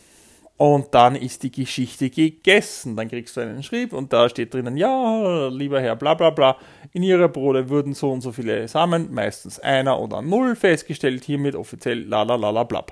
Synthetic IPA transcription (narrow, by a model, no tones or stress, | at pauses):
ʔʊnt̚d̥anɪst̚d̥iːɡəʃɪçtəɡ̥əɡ̥ɛsn̩d̥ankʁ̥iːkstd̥uæɪnənʃʁ̥iːbʊnt̚d̥aːʃteːt̚d̥ʁɪnənjaːliːbɐhɛɐblaːblaːblaː | ʔɪniːʁəbʁoːɾəvʏɐdn̩z̥oːʊntz̥oːfiːlə̰saːmənmæ̰ɪstn̩sʔa̰ɪnɐʔo̰ːdɐ̰nʊlfɛst̚ɡ̥əʃtɛlthiːɐmɪtɔ̰fit͡sjɛlːa̰ːlalaːlabla̰ːp